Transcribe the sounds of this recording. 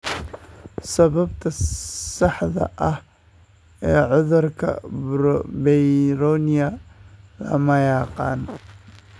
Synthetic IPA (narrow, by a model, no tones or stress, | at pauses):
sɐβɐbt̪ʰɐsɑħðɐ̰ʔɐh | ɛːʕʊðʊrkʰɐ̰ | bɛjɾɔːnɪjɐlɐ̰mɐjɑːqɑ̰ːn